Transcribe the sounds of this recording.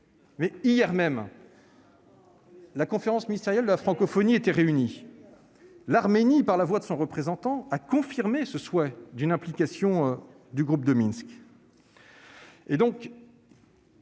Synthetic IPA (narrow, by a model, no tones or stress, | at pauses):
mɛijɛʁmɛm | lakɔ̃feʁɑ̃sminist̪eʁjald̪əlafχɑ̃kɔfɔniet̪ɛʁeyni | laʁmenipaʁlavwad̪əsɔ̃ʁəpχezɑ̃t̪ɑ̃akɔ̃fiʁmesəswɛd̪ynɛ̃plikasjɔ̃ | d̪yɡʁup̚d̪əminsk | ed̪ɔ̃k